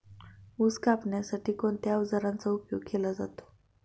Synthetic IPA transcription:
uskapɳjasaʈiːkoɳt̪jaud͡zaɾãnt͡saupjoɡkelad͡za̰t̪o̥

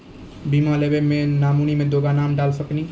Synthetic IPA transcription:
bimalebemẽnaːmunimẽd̪oːɡanaːmɖaːlsəkni

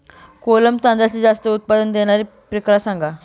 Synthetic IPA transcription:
koləmt̪ãnd͡zat͡ɕid͡zast̪əut̪̚pad̪ənd̪eɽ̃aɾi | pɾekɾasãŋɡa

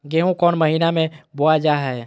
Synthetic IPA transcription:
ɡeːɦõkɔːnməɦiːnamẽboad͡ʒaːɦɛː

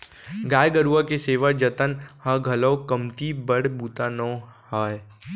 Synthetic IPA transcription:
ɡaːjɡəɾuakeseːʋad͡ʒət̪ənhɐɡʱɐlɔːkəmt̪ibəɽbuːt̪aːnɔ̃ːhaːj

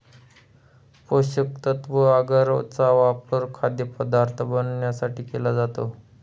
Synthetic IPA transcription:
poɕək̚t̪ət̪ʋəaɡəɾt͡saʋapəɾkʰad̪jəpəd̪aɾt̪ʰəbənɳjasaʈiːkelad͡zat̪o

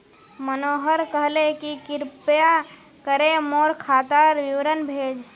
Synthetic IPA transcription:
mənoːɦəɾkəɦlekikɪɾpja | kəɾemoːɾkʰaːt̪əɾwiwɾənbʱeːd͡ʒ

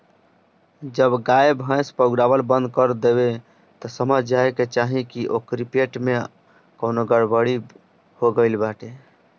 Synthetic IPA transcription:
d͡ʒəbɡaebʱɦə̃jspəɡɾabəlbə̃nd̪̚kəɾd̪ebe | t̪ɔsəməd͡ʒd͡ʒaeket͡ʃaɦĩkiʔokɾipeʈme | kənoɡəɽbəɽi | hoɡəɪlbaʈe

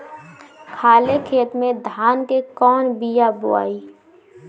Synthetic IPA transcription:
kʰaːlekʰeːt̪mẽd̪ʱaːnkekɔːnbijabʊa̰ːiː

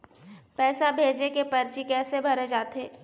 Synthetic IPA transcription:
pɛːsabʱeːd͡ʒekepɐɾt͡ʃikɛːsebʱɐɾed͡ʒaːt̪ɦeː

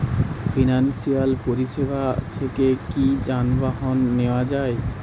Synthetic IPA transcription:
fʰinansialpoɾisebat̪ʰekekid͡ʑanbaɦɔnːewad͡ʑaj

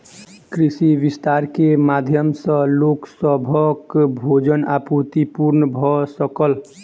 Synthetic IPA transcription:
kɾisiʋist̪aɾkemad̪ʱjəmsə̃loksəbʱəkbʱod͡ʒənaput̪ipuɾnəbʱɔsəkəl

